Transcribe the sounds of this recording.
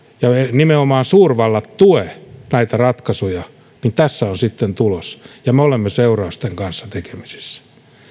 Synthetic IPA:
jɑenimeomɑːnsuːrʋɑlːɑt̪t̪uenæit̪ærɑt̪kɑsojɑ | nint̪æsːæonsit̪ːent̪ulosjɑmeolemːeseurɑust̪eŋkɑnsːɑ̥t̪ekemi̥si̥sːæ̥

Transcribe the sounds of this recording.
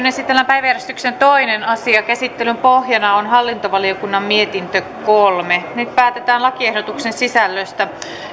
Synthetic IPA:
nesit̪ːelːæmpæjʋæjærjest̪y̥ksent̪o̞inenɑsiɑkæsit̪ːelympoɦjɑnɑonɦɑlːint̪oʋɑliokunːɑmmiet̪int̪økkolmenyt̪pæːt̪et̪æːnlɑkiehdot̪uksensisælːøst̪æ

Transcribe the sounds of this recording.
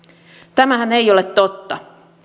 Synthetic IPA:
t̪æmæɦæne̞jolet̪ːo̞t̪ːɑ

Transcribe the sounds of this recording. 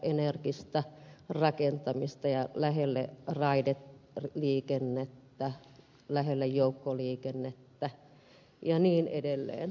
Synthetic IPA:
ʔenerkist̪ærɑkent̪ɑmist̪ɑjɑlæhelːḛrɑidet̪liːkenːet̪ːæ | læɦelːejjoukːoliːkenːet̪ːæ | jɑniːnʔḛdelːḛːn

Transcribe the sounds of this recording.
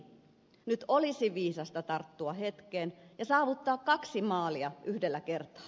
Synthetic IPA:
nyt̪olisiʋiːsɑst̪ɑt̪ɑrt̪ːuɑhet̪kenjɑsɑːʋut̪ːɑːkkɑksimɑːliɑʔyhdelːækert̪ɑ̥ː

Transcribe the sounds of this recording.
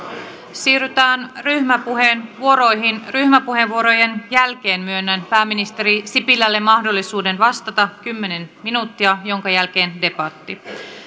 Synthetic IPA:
siːryt̪æːnryhmæpuɦenʋuoɾo̞jɦinryhmæpuhe̞ʋʋuoɾo̞je̞njælk̟e̞ːnmyønːænpæːmːinist̪e̞ɾisipilːælːe̞mːɑhdo̞lːisuːde̞nʋɑst̪ɑt̪ɑkymːe̞ne̞nminuːt̪ːiɑjo̞ŋkɑjælk̟e̞ːnde̞pɑt̪ːi

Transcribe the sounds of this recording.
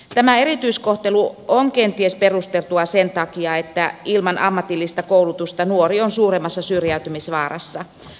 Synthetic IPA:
t̪æmæe̞ɾit̪yiskoht̪eluoŋkent̪iesperust̪elt̪uɑse̞nt̪ɑkiɑet̪ːæilmɑnʔɑ̰mːɑt̪ilːist̪ɑkoulut̪ust̪ɑnuorionsuːremːɑsːɑsyrjæyt̪ymisʋɑːrɑ̰sːɑ

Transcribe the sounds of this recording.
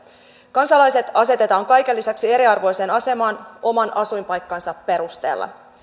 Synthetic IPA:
kɑnsɑlɑjse̞t̪ɑse̞t̪e̞t̪ɑːŋkɑjke̞lːisæksie̞ɾiɑrʋo̞jse̞ːnɑse̞mɑːno̞mɑnɑsujmpɑjkːɑnsɑpːe̞ɾust̪e̞̰ːlːɑ̰

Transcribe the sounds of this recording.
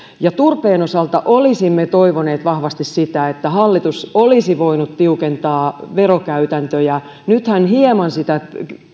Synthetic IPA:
jɑt̪urpeːnosɑlt̪ɑʔolisimːet̪oiʋoneːt̪ʋɑhʋɑst̪issit̪æet̪ːæhɑlːit̪usolisiʋoinut̪t̪iukent̪ɑːʋerokæyt̪ænt̪øjɑ | nyt̪hænhiemɑnsit̪æ

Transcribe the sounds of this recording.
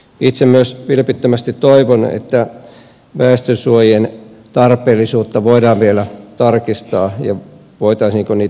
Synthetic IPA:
it̪semmyøsʋilpit̪ːømæst̪it̪toiʋonḛt̪ːæ | ʋæːst̪øsuojien | t̪ɑrpˑeːlːˑisuːt̪ːɑʋoidɑːʋʋielæt̪ɑrkist̪ɑːjɑ | ʋoit̪ɑisniːŋkonniː

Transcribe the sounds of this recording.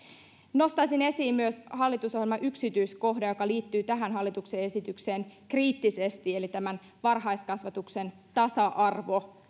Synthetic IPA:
no̞st̪ɑjsine̞siːmmyøshɑlːit̪usohjelmɑʔyksit̪yjsko̞ɦdɑjo̞kɑliːt̪ːyːt̪æɦænɦɑlːit̪ukse̞e̞sit̪ykse̞ːŋkriːt̪ːise̞st̪ielit̪æmæn | ʋɑrɦɑjskɑsʋɑt̪ukse̞n | t̪ɑsɑʔɑrʋo̞

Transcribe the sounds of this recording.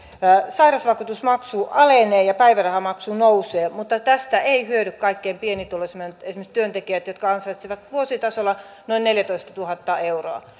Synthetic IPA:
sɑirɑsʋɑkut̪usmɑksuːʔɑleneːjɑpæiʋærɑhɑmɑksuːnouseːmut̪ːɑt̪æst̪æʔeihyøɾykkɑikːeimpienit̪ulesment̪esimest̪yønt̪ekiæt̪jot̪kɑɑnsɑit̪siʋɑt̪ʋuosit̪ɑsolːɑ | noinneljæt̪oist̪ɑt̪uhɑt̪ːɑeuroɑ̰

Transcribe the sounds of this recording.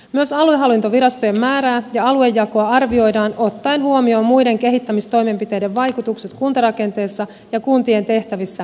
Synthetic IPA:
myø̞sɑlueɦɑlːint̪o̞ʋiɾɑst̪ojemːæːɾæːjɑɑlue̞jːɑkoɑɑrʋio̞jdɑːno̞t̪ːɑenɦuomio̞ːmːujde̞ŋk̟e̞ɦit̪ːæmist̪o̞jme̞mpit̪e̞jdeʋʋɑjkut̪ukset̪kunt̪ɑɾɑke̞nt̪e̞ːsːɑ | jɑkunt̪ie̞nt̪e̞ht̪æʋisːæ

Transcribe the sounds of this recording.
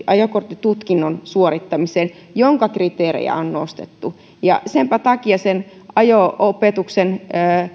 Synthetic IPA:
ʔɑjokort̪ːit̪ut̪kinːonsuorit̪ːɑmiseːn | joŋkɑkrit̪eːrḛjæ̰onno̰st̪ḛt̪ːu | jɑ̰sempæt̪ɑkiɑsen | ʔɑjoopet̪uksenəː

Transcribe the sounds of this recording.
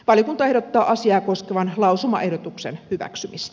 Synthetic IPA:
ʋɑljokunt̪ɑeɾot̪ːɑːʔɑsiɑːkoskeʋɑnlɑusumɑ̰ʔe̞hdot̪uksenhyʋæ̰ksymist̪ææ

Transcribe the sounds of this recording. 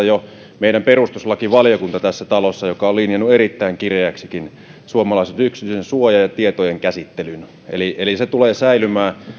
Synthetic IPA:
jo | meˑiɾæmperust̪uslɑkiʋɑlijokunt̪ɑt̪æsːæt̪ɑlosːɑjokɑolinjɑnːueɾit̪ːæiŋkireæksikin | suomɑlɑˑiset̪yksit̪ysensuojɑjɑt̪iet̪ojeŋkæsit̪ːelyn | ḛliʔeliset̪uleːsæilymæː

